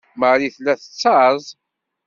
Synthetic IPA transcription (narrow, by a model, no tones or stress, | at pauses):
məɾiθlæθət͡sːɑzˤ